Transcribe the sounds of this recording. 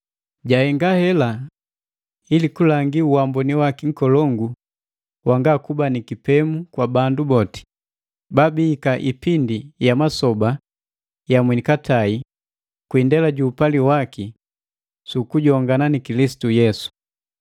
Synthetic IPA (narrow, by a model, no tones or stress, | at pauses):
ɟahɛŋɡahɛla | ilikulaŋɡiuwambɔniwakiŋ̩kɔlɔŋɡu | waŋɡakubanikipɛmukwabandubɔti̥ | babiːkaʔipindijamasɔba | jamwɛnikatʰai | kwindɛlaɟuːpaliwaki | sukuɟɔŋɡananikilisi̥tujɛsu̥